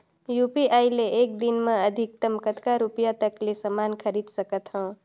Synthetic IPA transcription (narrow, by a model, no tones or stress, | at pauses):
jupiʔajleʔek̚d̪inmẽəd̪ʱik̚t̪əmkət̪kaɾupjat̪əklesəmankʰəɾid̪səkət̪ɦə̃